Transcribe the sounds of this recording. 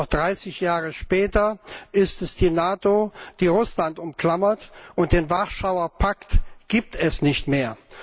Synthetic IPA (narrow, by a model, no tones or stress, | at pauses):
ɔχd̥ʁaɪsɪçjaːʁəʃpɛːtɐʔɪstɛsd̥iːnaːtod̥iːʁʊslantʊmkl̥amɐtʔʊnt̚d̥eːnvaʁʃaʊɐpʰaktɡ̥iːp̚tʰɛsnɪçtmeːɐ